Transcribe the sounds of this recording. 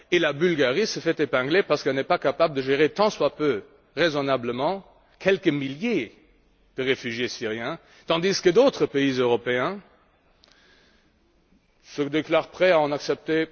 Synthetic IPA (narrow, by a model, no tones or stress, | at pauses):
elabylɡaʁisəfɛt̪epɛ̃ɡlepaʁsə̥kɛlnɛpakapabləd̪əʒeʁet̪ɑ̃swapø | ʁezɔnabləmɑ̃ | kʰɛlkəmilje | d̪̥əʁefyʒjesiʁjɛ̃ | t̪ɑ̃d̪iskəd̪ot̪χəpeizøʁɔpeɛ̃ | səd̪eklaːʁpχɛaɑ̃naksɛp̚t̪e